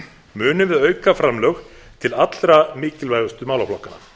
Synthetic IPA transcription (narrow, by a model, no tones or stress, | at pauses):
mʏːnʏmvɪðœːɥkafɾamlœx | t̪ʰɪlat̪lɾamɪːcɪlvaːjɣʏst̪ʏmawlawflɔhkːanːa̰